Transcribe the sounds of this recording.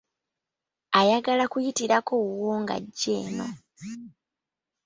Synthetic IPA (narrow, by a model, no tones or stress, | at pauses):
ajaɡalakujitiɾakowoːŋɡa̰ɟːe̞̰ːno̞̰